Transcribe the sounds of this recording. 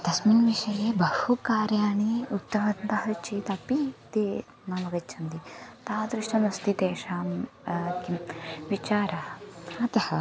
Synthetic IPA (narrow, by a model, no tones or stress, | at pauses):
d̪̥ɐsminʋiʃɐjeːbɐhukaːɾjaːɳiut̪ːɐʋɐnt̪ɐɦɐt͡ʃit̪ɐpit̪eː | nɐmɐɡɐt͡ʃʰɐnd̪it̪aːd̪ɾiʃʈɐnɐst̪it̪eːʃaːmkiʋit͡ʃaːɾɐɐɐt̪ɐhɐ